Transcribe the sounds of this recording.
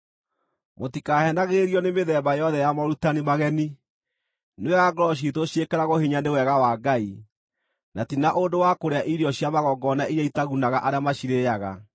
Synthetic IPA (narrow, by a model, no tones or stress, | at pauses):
motikaːhɛnaɣeɾiɔnemeðɛbajɔðɛjamɔɾutanimaɣɛni | newɛɣaɡɔɾɔʃ̬itoʃiekɛɾaɣohiɲanewɛɣawaːɡai | natinaʔondowakoɾeaʔiɾiɔɕjamaɣɔɡɔnaʔiɾjaitaɣunaɣaʔaɾeamaʃiɾejaɣa